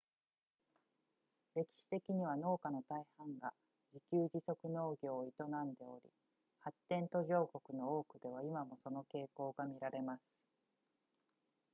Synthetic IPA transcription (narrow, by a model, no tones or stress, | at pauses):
ɾe̞kʲi̥ɕi̥t̪e̞kʲiɲ̟iβ̞ano̞ːkano̞t̪aihãŋɡa | d͡ʑikʲɨːʑiso̞kɯ̟no̞ːɡʲo̞ːit̪o̞nãnd̪e̞o̰ɾʲḭ | hat̪ːẽ̞nt̪o̞ʑo̞ːko̞kɯ̟no̞oːkɯ̟d̪e̞β̞aimamo̞so̞no̞ke̞ːko̞ːɡamʲiɾaɾe̞masɨ̥